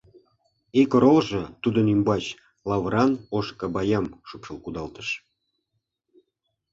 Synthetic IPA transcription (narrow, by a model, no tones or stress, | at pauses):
ikɾolʒɤ̆t̪ud̪ənymbɑt͡ɕ | lɑβɾɑnoʃkɑbɑjɑmʃupʃəlkud̪ɑlt̪ə̥ʃ